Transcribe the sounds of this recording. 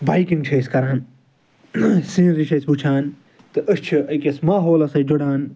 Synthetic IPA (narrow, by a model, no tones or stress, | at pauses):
baːjkiŋʈʰeːskɐɾaːn | sĩːziʃɐsbut͡ʃʰaːn | t̪ɨʔɐst͡ʃʰiɐkʲɐsmaːɦoːlɐsɐjd͡ʒoɽaːn